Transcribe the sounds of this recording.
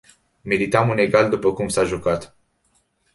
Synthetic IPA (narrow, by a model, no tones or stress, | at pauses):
me̞ɾit̪amune̞ɡald̪upəkumsaʒukat̪